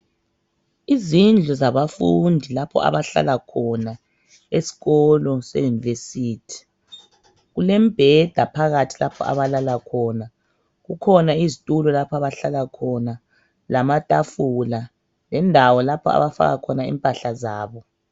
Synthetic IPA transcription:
izind͡ɮʱɔzaβafundʱilapʰɔ̰a̰βaɬa̰lakʰɔna | esi̥ɣɔlɔsḛjunivesiːtʰi̥ | ɣulɛm̩b̥ʱɛd̥ʱapʰaɣatʰi̥lapʰɔ̰a̰βalalakʰɔːna | ɣukʰɔnaizitʼulɔlapʰɔaβaɬalakʰɔna | lamatʼafula | lɛndʱawɔlapʰɔa̰βafa̰ɣa̰kʰɔnaḭmpʼaɬazaːβɔ

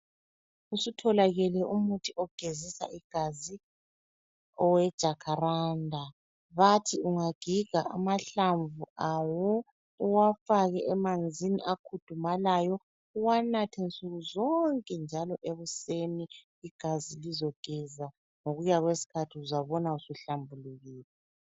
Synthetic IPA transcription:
usutʰɔlaɣɛlɛʔumutʰiʔɔɡ̥ʱezisa̰iɡ̥ʱazi | ɔwɛd̥ʒ̥ʱakʰaɾandʱa | βatʰiuŋaɡ̥ʱiɡ̥ʱaa̰maɬaɱvuawɔ | uwafaɣɛʔɛmand͡zʱiniʔakʰud̥ʱumalajɔ | uwanatʰɛnt͡sʼuɣuzɔŋkʼɛnd͡ʒʱalɔʔeβuseniː | ɡ̥ʱazilizɔɡ̥ʱɛza | ŋoɣujaɣwesi̥kʰatʰiuzaβɔnausuɬambʱuluɣiːlɛ

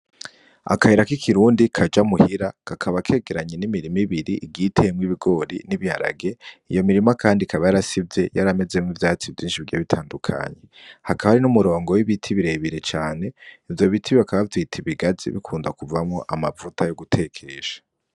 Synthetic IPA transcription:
a̰kahiɾakikʰiɾuːndikʰad͡ʒamuhiɾakakʰaβakʰe̞ːɡeɾaɲenimiɾimiβiɾiʔːɡitʰemwiβiɡo̞ɾḭniβiha̰ɾa̰ɡe̞ijo̞miɾimakʰaːndikʰaβajaɾasibje̞jaɾame̞zemŋivjaːt͡sivjiːnʃivɟeβitʰaːndukʰa̰ɲe̞hakʰaβaɾinumuɾo̞ːŋɡo̞wiβitʰiβiɾe̞βiɾe̞t͡ʃaːne̞ivjo̞βitʰiβiβakaβaviːtʰiβiɡazḭβḭkʰuːndakuvamŋoʔamavutʰajo̞ɡutʰe̞kʰeʒḁ

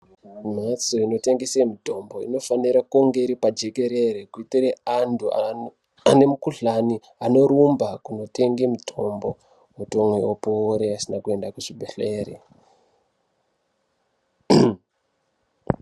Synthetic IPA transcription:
m̤at͡soino̞te̞ŋɡesemito̞mbo̞ḭno̞faniɾakuŋɡe̞iɾipad͡ʒe̞ke̞ɾe̞rekuitireantʰua | ane̞mukuɬani | ano̞ɾumbakuno̞te̞ŋɡemitʰo̞mbo̞ | muto̞mweopoɾeasinakue̞ndakuʐibʱeɬe̞ːrḛ

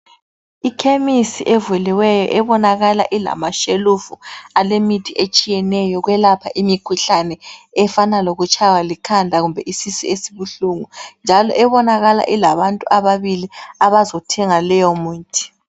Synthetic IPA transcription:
ikʰemisiʔɛvuliwɛjɔ̰ʔɛβɔnaɣala̰ʔila̰maʃelufualemitʰʼiʔet͡ʃʼijɛnɛjɔɣwɛlapʰaʔimikʰuɬanɛ | ɛfanaloɣut͡ʃʰʼawalikʰandʱaɣumbʱɛʔisisiesiβuɬuːŋund͡ʒʱalɔ̰ʔɛβɔnaɣala̰ʔilaβantʼuʔaβaβiliaβazɔtʰɛŋalɛjɔmuːntʰʼi̥

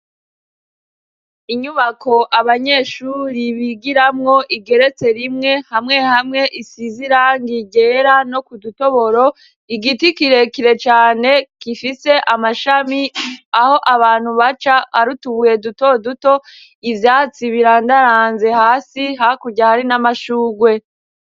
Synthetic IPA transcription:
iɲuβakʰo̞ʔaβaɲe̞ːʃuːɾiβiɡiɾamŋo̞ʔiɡe̞ɾe̞t͡se̞ɾimŋe̞hamŋe̞hamŋe̞ʔisiziɾaŋɡiɟe̞ɾano̞kuduto̞βo̞ɾo̞ | iɡitikiɾe̞kiɾe̞t͡ʃaːne̞kifise̞ʔamaʃamiaho̞ʔaβaːn̥huβat͡ʃaha̰ɾutuβuje̞duto̞duto̞ | ivjaːt͡siβiɾaːndaɾaːnze̞haːsiɦakuɾɟahaɾinamaʃuːɡwe̞

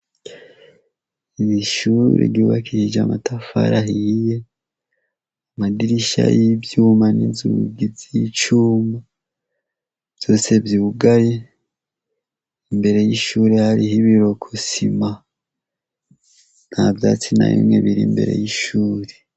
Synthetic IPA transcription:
iiʃuɾḛɡiuβakʰihid͡ʒamatʰafa̰ɾahihije | amadiɾiʃa̰jibjuːmanizuɡivit͡ʃuːmba | jo̞ːse̞vjiuɡaje | imbe̞ɾe̞jiʃuːɾehaɾihiβiɾo̞kʰosima | nhavjaːt͡sina̰jḭmŋḛβiɾḭmbe̞̰ɾe̞̰jiʃuːɾe

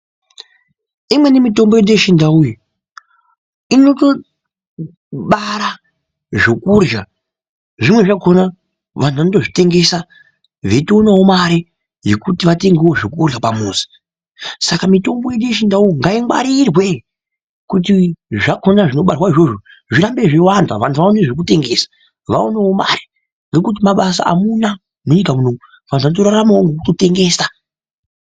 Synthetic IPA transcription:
imwe̞nemito̞mbo̞jeɗjeʃindauji | ino̞to̞ | ɓaɾa | ʐokurja | ʐimwe̞ʐako̞na | ʋan̤uʋanoto̞ʐite̞ŋɡe̞sa | ʋe̞toonawomaɾe | jekutiʋate̞ŋɡewo̞ʐokurjapamuːsi̥ | sakamito̞mbo̞jeɗeʃindaoŋɡaiŋɡa̰ɾirwe̞ | kut̬iʐakonaʐino̞ɓarwaiʐo̞ʐo | ʐiɾambe̞ʐewandwa̰ʋantʰuʋaoneʐek̬ute̞ŋɡe̞sḁ | ʋa̰onewo̞ma̰ɾe̥ | ŋɡekut̬imaɓasa̰a̰muna | noɲikamuno̞mu | ʋan̤uanotoɾaɾamawoŋɡekutote̞ŋɡe̞ːsa

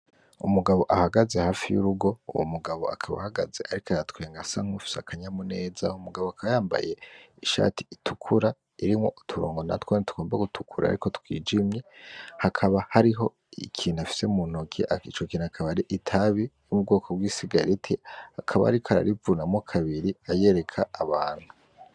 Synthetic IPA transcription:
umuɡaβo̞ʔahaɡaze̞haːfijṵɾuɡo̞ṵwo̰muɡaβo̞̰a̰kʰaβa̰haɡa̰ze̞ʔaɾikajatkwe̞ːŋɡasaŋ̥hufi̥seakʰaɲamune̞ːzaumuɡaβoakʰaβajaːmba̰je̞iʃa̰ːti̥itʰukʰuɾa | iɾimŋo̞̰tʰuɾoːŋɡo̞na̰twoːnitu̥ɡ̥o̞ːmbaɡutʰukʰuɾa̰ːɾiko̞tkwḭːd͡ʒimɲehakʰaβahaɾiɦo̞ | ikʰiːnafi̥semun̥okʰḭʔait͡ʃokiːnuakʰaβaɾiʔitʰaβijumub̚ɡo̞ːkʰobwiːsiɡaɾitʰeakʰaβa̰aɾikʰaɾa̰ɾivunamokʰaβiɾiaje̞ːɾe̞kʰaːβaːn̥hu

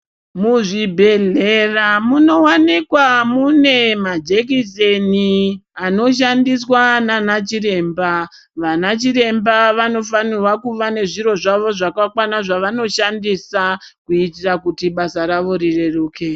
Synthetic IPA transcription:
muʐibʱe̞ɮeramuno̞wanikwamune̞mad͡ʒek̬iseniano̞ʃ̬andiswananat͡ʃiɾe̞ːmba | ʋanat͡ʃiɾe̞mbaʋano̞fanirwakuʋane̞ʐiɾo̞ʐaʋo̞ʐakakwanaʐaʋano̞ʃandisakuitirakutiɓasaɾaʋo̞ɾire̞ruːke

